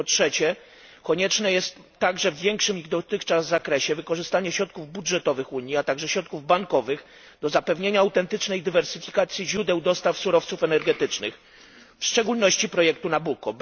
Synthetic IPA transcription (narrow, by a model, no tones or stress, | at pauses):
pɔtʂɛt͡ɕɛ | kɔɲɛt͡ʂnɛjɛst̪ːaɡʐɛvːjɛŋkʂɘmiɣd̪ɔt̪ɘxt͡ʂazːakɾɛɕɛvɘkɔʐɘst̪aɲɛɕɾɔt̪̚kuvbudʐɛt̪ɔvɘxuɲjiat̪aɡʐɛɕɾɔt̪̚kuvbaŋkɔvɘɣ | d̪ɔzapɛvɲeɲaːwt̪ɛnt̪ɘt͡ʂnɛjd̪ɘvɛɾsɘfʲikat̪sʲjiʑɾud̪ɛwd̪ɔst̪afsuɾɔft̪sufɛnɛɾɡɛt̪ɘt͡ʂnɘ̰x | fʂt͡ʂɛɡulnɔɕt͡ɕipɾɔjɛk̚t̪unabukɔ